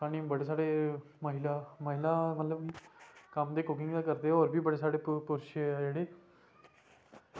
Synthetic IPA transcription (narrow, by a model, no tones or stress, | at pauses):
aːniːbəɽeːsaːɽeː | məɦɪlaːməɦɪlaːmət̪ləbkəmd̪eːkʊk̬ɪ̃ŋɡd̪aːkəɾd̪eːoːɾbiːbəɽeːsaːɽeːpʊɾʃd͡ʒeːɽeː